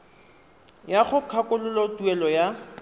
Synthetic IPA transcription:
jaχʊkʰakʊlʊlɔtuɛlɔja

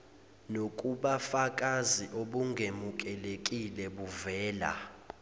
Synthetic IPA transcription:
nokʼuɓafakʼaziʔoɓuŋɡʱemukʼɛlekʼilɛɓuvɛːla̰

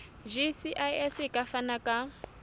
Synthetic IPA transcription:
ʒisiʔajɛsikʼafanakʼa

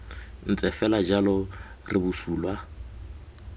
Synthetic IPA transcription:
n̩t͡sʼɛfɛlad͡ʒalɔ | rɪbusuːlwa

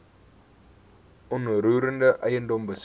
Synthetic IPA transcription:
unuɾuɾəndəʔajəndombəs

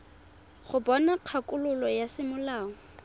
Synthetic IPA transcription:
χʊbɔnaq͡χʰakʼʊlʊlɔjasɪmʊlaːŋɔ

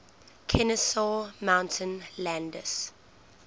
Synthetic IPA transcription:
kʰɛnəsɔmãʊ̃ntʰə̃nlæ̃ndəs

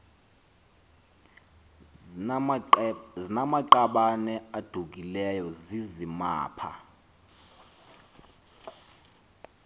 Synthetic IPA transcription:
zinamaǃaɓanɛad̥ʱuk̬ilɛjɔzizima̰ːpʰa̰

